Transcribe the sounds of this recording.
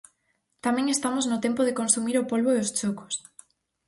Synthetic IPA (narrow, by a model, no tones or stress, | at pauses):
t̪amɛ̃ŋest̪amoznʊt̪ɛmpoð̞ekonsumiɾopolβoeost͡ʃokʊ̥s